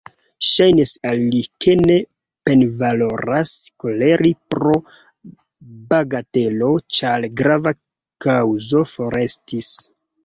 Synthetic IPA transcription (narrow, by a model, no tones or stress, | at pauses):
ʃajnisalːike̞ne̞ | pe̞nvalo̞ɾasko̞le̞ɾʔipɾo̞ | baɡate̞lo̞t͡ʃalɡɾava | kawzo̞fo̞ɾe̞stis